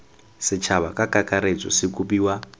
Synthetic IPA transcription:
sɪt͡ʃʰaβakakʼakʼaɾet͡sʼɔ̰sikʼupiːwa

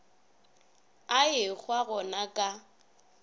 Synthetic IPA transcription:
aɪk͡xʰwaɣɔnakʼa

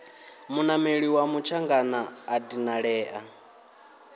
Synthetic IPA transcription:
munameɺiwamut͡ʃʰaŋɡanaːdinaɺɛːʔa

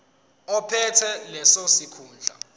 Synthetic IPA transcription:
ɔpʰɛtʰɛlɛsosikʰuːnd͡ɮʱa̰

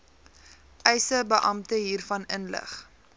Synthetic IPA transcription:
ʔɛjsəbəʔɐmtəɦiːrfɐnənlə̰χ

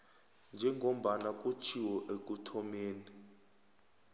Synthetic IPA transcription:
nd͡ʒʱɛŋʱom̩ɓanak̬ʼut͡ʃʰiwɔʔek̬ʼutʰɔmeːni

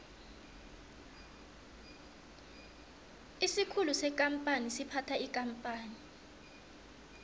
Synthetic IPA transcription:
isikʰulusɛkʼam̩pʼanisipʰatʰaikʼampʼaːni

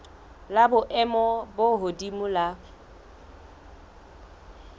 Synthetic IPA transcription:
labʊʔɛmɔboɦodimula

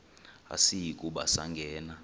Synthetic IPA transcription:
a̰sijikʼuɓasaŋɡʱɛːna

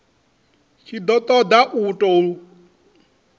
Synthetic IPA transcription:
ʃid̪ɔt̪ʼɔd̪aʔutʼɔu

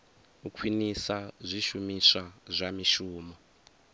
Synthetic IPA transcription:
ukʰwinisazʷiʃumisazʷamiʃuːmɔ

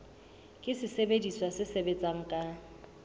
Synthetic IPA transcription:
kʼɪsɪsebediswasɪsebet͡sʼaŋ̩kʼa

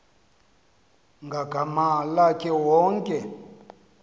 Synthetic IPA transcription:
ŋɡʱaɡʱamalakʰʼɛwɔŋkʼɛ

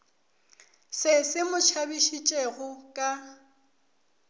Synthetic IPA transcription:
sɪsɪmʊt͡ʃʰabiʃit͡ʃʼeɣʊkʼa

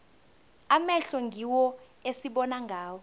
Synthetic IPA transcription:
amɛɬɔŋɡʱiwɔ | esiɓɔnaŋɡʱaːwɔ

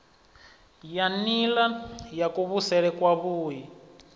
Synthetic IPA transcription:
janilajakuβusɛɺɛkwaβuːji

